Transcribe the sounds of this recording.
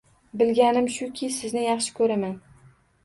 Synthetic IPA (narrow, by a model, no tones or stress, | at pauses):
bɪlɡʲanɪmʃʊkʲʰɪsɪznɪjɑχʃɪ̥kʰɵɾaman